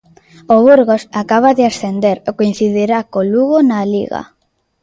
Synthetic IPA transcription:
oβuɾɣosakaβ̞aðɪasθend̪eɾokoin̟θiðeɾakoluɣonalḭɣa̰

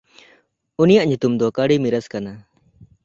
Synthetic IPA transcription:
unijaʔɲut̪umd̪ɔkaɽimiɾəskana

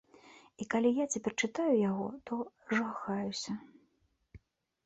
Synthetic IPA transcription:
ikalʲijat͡sʲapʲɛrt͡ʂɨt̪ajujaɣɔ̰t̪ɔ | ʐaxajusʲɐ

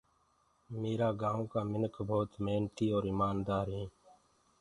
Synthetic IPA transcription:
meːɾaːɡãːõːkaːmɪnəkbʱoːt̪meːnt̪iːoːɾɪmaːnd̪aːɾɦẽː

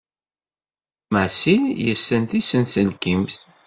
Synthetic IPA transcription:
mæʕsiljəsːənt̪isənsəlkimθ

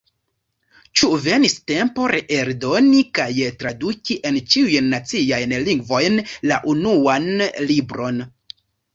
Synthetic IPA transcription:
t͡ʃuve̞niste̞mpo̞ɾeʔeɾdo̞nikajtɾadukʲiʔe̞nt͡ʃiujnːat͡siajnliŋɡvo̞jnla̰ʔunuanlibɾo̞n

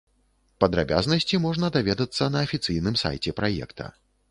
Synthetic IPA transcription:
pɐd̪ɾa̰bʲa̰znɐsʲt͡sʲimɔʐnɐd̪avʲɛd̪ɐt̪sːɐnɐːfʲit̪sɨjnɨmsa̰jt͡sʲɛpɾʔajɛ̰kt̪ʰɐ̰

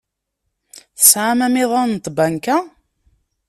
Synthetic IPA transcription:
θə̥sʕamæmɪðˤɑnt̪ˤbænkæ

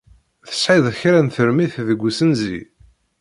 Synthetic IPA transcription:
θə̥sħiðˤçɾænθəɾmiθðəɡʷːusənzi

